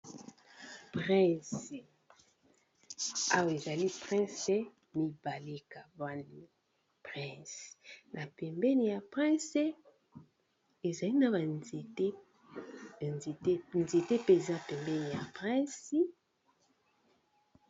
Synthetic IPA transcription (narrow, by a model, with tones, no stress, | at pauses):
pʁɛ̃˦˨s | a˦wa˨e˨za˨li˦pʁɛ̃˦sɛ˦ | mi˦ba˨le˦ka˨ba˦ni˨ | pʁɛ̃˨snʔa˨pɛ˨mbɛ˦ni˨ja˨pʁɛ̃˦sɛ˦ | e˨za˨li˦na˨ba˨e˨te˦˨˦ | nze˨te˦pe˦e˨za˦pɛ˨mbɛ˦ni˨ja˨pʁɛ̃˦si˦